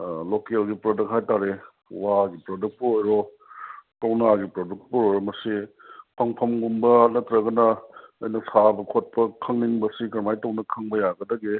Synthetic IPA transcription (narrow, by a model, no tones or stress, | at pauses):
lokelɡipɾodɐk̚ɦajtaɾe | waɡipɾoduk̚puojɾo | kɐwnaɡipɾoduk̚puojɾɔmɐsi | pʰɐŋpʰɐmɡumbɐnɐt̪ɾɐɡɐnɐːjnɐsabɐkʰot̚pɐkʰɐŋniŋbɐsikɐɾmajtɐwnɐkʰɐŋbɐjaɡɐdɐɡe